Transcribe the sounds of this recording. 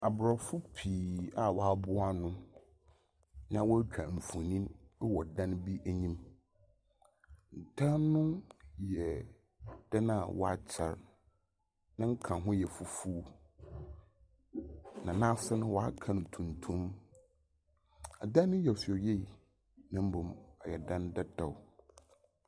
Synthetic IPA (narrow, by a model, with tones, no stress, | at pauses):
a˨bɾɔ˨fʊ˦pʰiː˨a˨wɔ˨a˨bʊ˦a˦nʊ̃˦ | nã˨wɔ˦kʰã˨m̩˨fũ˨nĩ˦wɔ˨dã˦nbi˦ʔæ˨ɲĩ˦m | n̩˨tʰa˦nʊ̃˦jɛ˨ | d̥ɛ˦nã˦˨wɔ̰˦a˦t͡ɕʰɛ̰˨ɾ | nã˦ŋ̩˦kʰã˨ɦʊ̃˦jɛ˨fu˨fu˦ | nã˨nã˦sɛ˦nʊ̃˦wɔ˨a˦kʰã˨nʊ̃˨tʰũ˨n˨tʰũ˦m | a˨dã˦nːʊ̃˦jɛ˨fi˨ɔ˨je˦i˨ | nã˨m̩˦bʊ̃˨mɔ˨jɛ˨dã˦ndɛ˦dɔ˨w